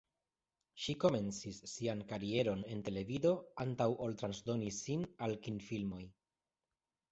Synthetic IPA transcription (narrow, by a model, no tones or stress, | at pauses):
ʃiko̞me̞nt͡sisːiankaɾie̞ɾo̞ne̞nte̞le̞vido̞antawʔoltɾansdo̞nisinalkinfilmo̞j